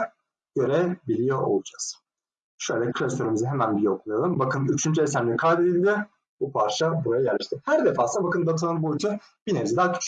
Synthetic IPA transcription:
ɟ̥ø̞ɾɛbilʲijoʔo̰lˠud͡ʒaz̥ | ʃø̞jlʲɛkʰɾʲɛst̪ʰoɾɯmɯzɯɦemænbilɛokʰunˠajalˠɯmbakʰɯnyt͡ʃʰynt͡ʃʰyesæɾmlʲikʰad̪ed̪ilʲd̪ʲɪ | bupʰaɾʃabuɾajaɟæɾlʲeʃt̪ʰimhæɾd̪efaːsɯnabakʰɯnd̪at̪ʰanɯnbut͡ʃʰɯ | b̥ineɾzɛd̪aːkʰy̥t͡ʃ

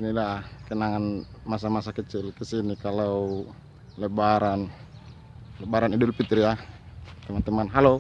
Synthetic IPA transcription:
inilakənaŋan | mas̬amasakət͡ʃilkəsinikalau | lɛbaɾan | lɛbaɾanidulpit̪ɾjat̪ɛmat̪ɛmanɦalo

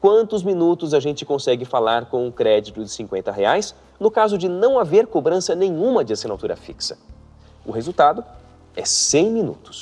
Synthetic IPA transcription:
kwɐ̃nt̪ʊzmĩnut̪ʊzaʒẽnt͡ʃɪ̥kõsɛɡɪfalaɾkõw̃ʊkɾɛd͡ʒit̪ʊd͡ʒɪsĩŋkwẽnt̪ɐɦeajs | nʊkazʊd͡ʒɪnɐ̃w̃aveɾkobɾɐ̃sɐnẽj̃ũmɐd͡ʒɪasinat̪uɾɐ̰fḭksɐ̥ | ʊɦezuwt̪ad̪ʊ | ɛsẽj̃mĩnṵt̪ʊ̥s

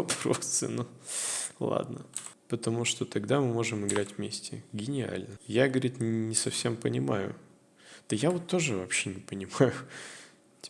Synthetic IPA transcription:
vɐpɾo̰sɨ̰nu | lˠa̰d̪nəpət̪ɐmuʂt̪o̞t̪ɐɡd̪amɨmo̞ʐɨmɨɡɾatʲvmʲesʲtʲɪ̰ɡʲɪnʲɪa̰lʲnəjaɡəvəɾʲit̪nʲɪsɐfsʲe̞mpənʲɪmajʊ̰ | d̪̥əjavo̞t̪ːo̞ʐɨvɐpɕenʲɪpənʲɪmajʊ

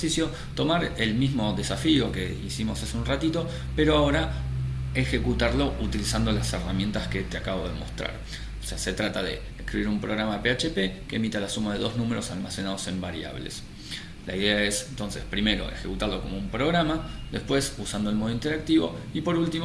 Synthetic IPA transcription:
sisjo̞ | t̪o̞maɾe̞lmizmo̞ðe̞safio̞ke̞̰ | isimo̞saseunrat̪it̪o̞ | pe̞ɾo̞ao̞ɾa | exe̞kut̪aɾlo̞ʔut̪ilisand̪o̞lase̞ramje̞nt̪aske̞t̪eakaβo̞ðemo̞̰st̪ɾa̰ɾ | sease̞t̪ɾat̪aðe̞̰ːskɾiβiɾumpɾo̞ɣɾamape̞at͡ʃepe̞ke̞ːmit̪alasumaðe̞ðo̞znũmeɾo̞salmase̞nað̞o̞se̞mbaɾja̰βle̞̰s | la̰iðe̞ae̞sent̪o̞nse̞spɾime̞ɾo̞̰e̞̰xekut̪aɾlo̞ko̞moumpɾo̞ɣɾamaðe̞spwe̞susand̪oelmo̞ð̞oint̪e̞ɾak̚t̪iβo̞̰ipo̞ɾult̪im

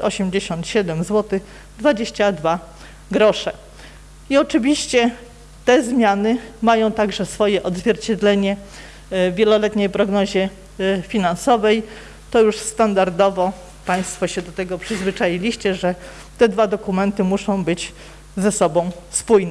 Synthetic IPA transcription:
ɔɕɛmd͡ʑeɕɔ̃nt̪ɕɛd̪ɛmzwɔt̪ɘx | d̪vad͡ʑeɕt͡ɕad̪va | ɡɾɔʂɛ | iɔt͡ʂɘvʲiɕt͡ɕɛ | t̪ɛzmʲjanɘmajɔ̃w̃t̪aɡʐɛsfɔjɛʔɔd̪zvʲjɛɾt͡ɕɛd̪lɛɲɛ | vːʲjɛlɔlɛt̪ɲejpɾɔɡnɔʑɛ | fʲinansɔvɛj | t̪ɔjuʂst̪and̪aɾd̪ɔvɔ | paj̃st̪fɔɕɛd̪ɔt̪ɛɡɔpʂɘzvɘt͡ʂajilʲiɕt͡ɕɛʐɛ | t̪ɛd̪vad̪ɔkumɛnt̪ɘmuʂɔ̃w̃bɘd͡ʑ | zɛsɔbɔ̃w̃spujnɛ

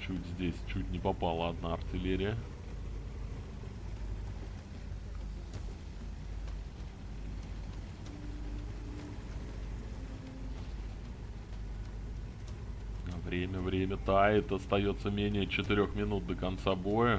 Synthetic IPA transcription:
t͡ɕutʲzʲdʲesʲt͡ɕutʲnʲɪpɐpalˠəɐd̪naɐrtʲɪlʲeɾʲɪjə | avɾʲemʲəvɾʲemʲət̪aɛt̪əɐst̪ɐjo̞t̪səmʲenʲɪjət͡ɕɪt̪ɪɾʲo̞xmʲɪnut̪̚d̪əkɐnt̪sabo̞jə

